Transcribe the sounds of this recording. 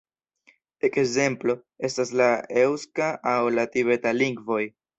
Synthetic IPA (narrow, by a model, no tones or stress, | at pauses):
e̞keze̞mplo̞ | e̞staslae̞wskaʔːwlatiβe̞taliŋɡvo̞j